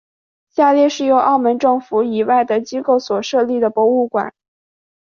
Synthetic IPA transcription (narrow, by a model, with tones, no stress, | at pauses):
ɕja˥˧ljɛ˥˧ʂɻ̩˥˩jo˧˥ʊʔɑ˥˩ʊmə˧˥nʈ͡ʂɤ˥˩ŋfu˧˥i˨˩wa˥˩ɪd̪ə˩t͡ɕi˥ko˥˩ʊswɔ˨˩ʂɤ˥˧li˥˩d̪ə˩pwɔ˧˥u˥˩kwa̰˨˩˦n